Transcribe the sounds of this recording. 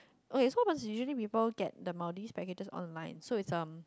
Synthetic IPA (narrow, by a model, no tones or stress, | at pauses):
ʔokesoɔpə̃ns̬juʃəəlipiːpəlɡɛ̰t̚dəmaʊdispɛked͡ʒəsɔ̰̃nlãɪ̃nsoɪtsʌ̃m